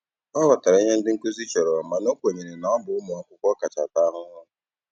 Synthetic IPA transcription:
ɔ˦bɔ˨ta˨ɾa˨˦i˦ɲe˦n̩˦dɪ˦ŋ̩˦ku˦zi˦t͡ʃɔ˨ɾɔ˨ma˨no˦kʷe˨ɲe˨ɾe˨na˨ɔ˦bʊ˨ʊ˦mʊ˨ɔ˨kʷʊ˦kʷɔ˦ka˨t͡ʃa̰˨ta˦a˦ɦʊ˦ɦʊ˦

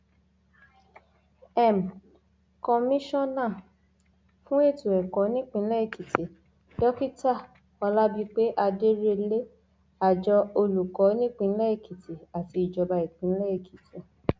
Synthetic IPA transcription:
ɛ˦˨m̩˨ | kɔ˧mĩ˦ʃɔ̃˦˨nã˦˨ | fũ˦e˦˨tu˨ɛ˨kɔ˨˦nĩ˦k͡pĩ˧n̩˦lɛ˦i˦˨ki˨tʰe˨ | dɔ˦ki˦ta˦˨ | ɔ˧la˦bi˧k͡pe˦ʔa˧de˦ɾe˧le˦ | a˨d͡ʒɔ˧˦o˧lu˨kɔ˨˦nĩ˦k͡pĩ˧n̩˦lɛ˦i˦˨ki˨tʰe˨a˨ti˧i˨d͡ʒɔ˧ba˧i˨k͡pĩ˨˦lɛ˦i˦˨ki˨te˨

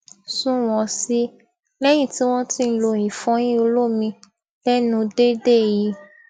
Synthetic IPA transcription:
sũ˦w̃ɔ̃˨si˦ | lɛ˦j̃ĩ˦˨ti˨˦w̃ɔ̃˦tĩ˦˧n̩˦lo˧ĩ˨fɔ̃˨˦j̃ĩ˦o˧lo˦mĩ˧ | lɛ˦nũ˧de˦de˦˨ji˨˧˦

